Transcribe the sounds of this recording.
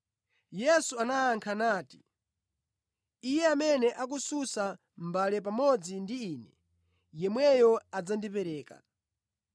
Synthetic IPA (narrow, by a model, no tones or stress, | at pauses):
jɛsuanaːŋkʰanaːti̥ | ijɛamɛnɛʔakususa | m̩balɛp̬amɔd͡zindiiːnɛ | jɛmwɛjɔad͡zandipɛɾɛːka̰